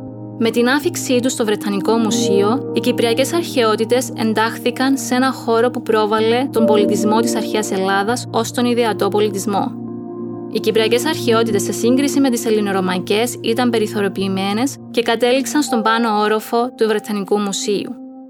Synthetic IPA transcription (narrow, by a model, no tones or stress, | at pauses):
me̞t̪inɐfiksit̪ust̪ovɾe̞t̪ʰɐniko̞musio̞icipɾiɐce̞sɐɾçe̞o̞t̪it̪e̞se̞̰nd̪ɐxθikɐnse̞nɐxo̞ɾo̞pupɾo̞vɐle̞t̪o̞mbo̞lit̪izmo̞t̪isɐɾçeɐse̞lɐðɐso̞st̪o̞niðiɐt̪o̞po̞lit̪izmo̞̰ | icipɾiɐce̞sɐɾçe̞o̞t̪it̪e̞sːe̞siŋɡɾisime̞t̪ise̞lino̞ɾo̞mɐce̞sit̪ɐmbe̞ɾiθo̞ɾo̞piːme̞ne̞s | ce̞kɐt̪e̞liksɐnst̪o̞mbɐno̞o̞ɾo̞fo̞t̪uvɾe̞t̪ʰɐnikumusiṵ